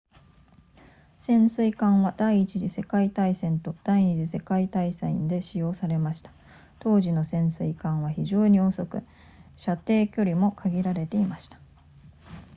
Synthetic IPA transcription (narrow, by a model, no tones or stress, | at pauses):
sẽ̞ɰ̃sɨikãɰ̃βad̪̥aiːt͡ɕiʑise̞kait̪aisẽ̞nt̪o̞d̪̥aiɲ̟iʑise̞kait̪aisẽĩnd̪e̞ɕijo̞ːsaɾe̞maɕi̥t̪ḁ | t̪o̞ːʑino̞sẽ̞ɰ̃sɨikãɰ̃βaçiʑo̞ːɲ̟io̞ːso̞kɯ̟ | ɕat̪e̞ːkʲo̞ɾʲimo̞kʰaɡʲiɾaɾe̞t̪e̞imaɕi̥t̪ḁ